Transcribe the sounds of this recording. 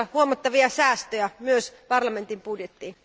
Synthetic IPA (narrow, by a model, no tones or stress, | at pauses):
huomɑt̪ːɑʋiɑsæːst̪øjæmyøspɑrlɑment̪impudjet̪ːiː